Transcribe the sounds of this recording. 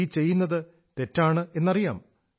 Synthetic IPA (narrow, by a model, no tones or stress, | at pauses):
t͡ɕe̞jːunːɐðɨ | t̪e̞tːaːɳɨe̞nːɐrija̰ːm